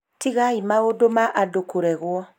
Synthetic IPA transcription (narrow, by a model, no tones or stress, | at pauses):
tiɣaimaodomaʔadokʰoɾɛɣwɔ